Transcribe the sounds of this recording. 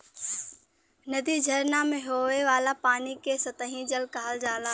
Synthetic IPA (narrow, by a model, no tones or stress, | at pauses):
nɐd̪id͡ʒʱɐɾnamẽɦoːʋeʋaːlapaːnikesɐt̪əɦĩd͡ʒəlkaːld͡ʒaːlaː